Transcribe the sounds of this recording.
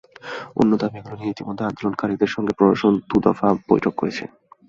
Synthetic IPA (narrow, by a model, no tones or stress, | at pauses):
o̰nːot̪abeɡɾoniit̪imod̪ʱːeand̪olonkaɾid̪eɾʃɔŋɡepɾod̪aʃond̪ud̪ɔfab̥ojʈʰokːoɾet͡ɕʰḛn